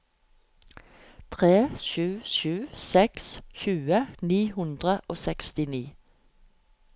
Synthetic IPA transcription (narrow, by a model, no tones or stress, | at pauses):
t̪ʰʁeːʃʉːʃʉːsɛksçʉːəniːhʉnd̪ʁəʔoːsɛkst̪ɪniː